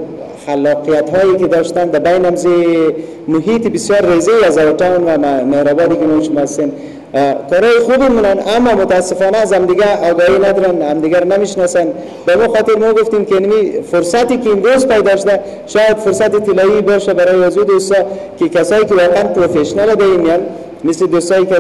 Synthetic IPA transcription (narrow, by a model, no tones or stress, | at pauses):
xalːɔqijat̪ɦɔjekɪd̪ɔʃt̪and̪abajnamze | mʊɦit̪ɪbɪsjɔɾːezeazawʈawnwamehɾɔbɔd̪ikɪnɔʃʊmɔast̪en | kɔɾɔjɪxubimunanamːɔmʊt̪aːsɪfɔnaːzamd̪ɪɡaɔɡɔhinad̪ɔɾanhamd̪ɪɡaɾanamɪʃnɔsan | bamuxɔt̪ɪɾmɔɡuft̪imkenamifʊɾsat̪ikiːmɾozpajd̪ɔʃʊd̪a | ʃɔjad̪fʊɾsat̪it̪ɪlɔibɔʃabaɾɔjiazud̪ost̪ɔ | kɪkasɔːikɪwɔqeanpɾofeʃnalad̪aimijan | mɪsled̪ost̪ɔik